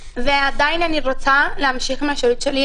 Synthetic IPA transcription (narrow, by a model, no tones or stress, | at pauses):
vead̪ajnaniʁot͡salehamʃiχmeaʃelut̪ʃeli